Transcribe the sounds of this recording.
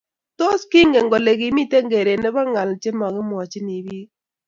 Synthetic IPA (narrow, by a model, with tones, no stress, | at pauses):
to˦ski˦ŋɡe˨ŋɡɔ˨le˨ɡi˨mi˦te˦ŋɡe˨ɾe˨nɛ˦ba˦ŋa˨lt͡ʃe˦mɔ˨kɪ˦mwɔ˨t͡ʃɪ˦ni˨bi˦